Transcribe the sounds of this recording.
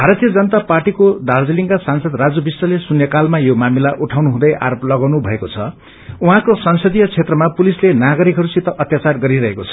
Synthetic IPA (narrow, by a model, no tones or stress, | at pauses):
bʱaɾat̪ijʌd͡zʌnʌt̪aparʈikod̪ʱald͡ziliŋkasansʌd̪rad͡zubisːʌlesunjʌkalmajomamilaʔuʈʰawnuɦũd̪ʌjʔa̰ɾoplʌɡawnubʱʌekot͡sʰʌ | uɦãkosʌnsʌd̪ijʌt͡sʰet̪rʌmapulislenaɡʌɾikɦʌɾusit̪ʌʔʌt̪jat͡sarɡʌɾiɾʌɦekot͡sʰʌ̥